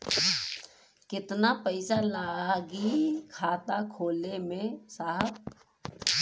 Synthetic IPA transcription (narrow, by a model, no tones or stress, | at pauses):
kɪt̪napəɪsalaːɡikʰaːt̪akʰoːlemẽsaːɦəp̚